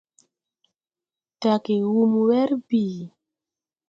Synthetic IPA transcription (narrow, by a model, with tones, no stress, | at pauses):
ta˨ke˨wu˦mwɛ˦ɾbiː˨